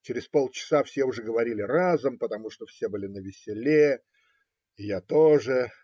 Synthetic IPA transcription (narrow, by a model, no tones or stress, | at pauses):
t͡ɕɪɾʲɪspo̞lˠt͡ɕɪ̥safsʲeʊʐɛɡəvɐɾʲilʲɪrazɨmpət̪ɐmuʂt̪ofsʲe̞bɨlʲɪnəvʲɪsʲɪlʲe | ɪjat̪oʐɨ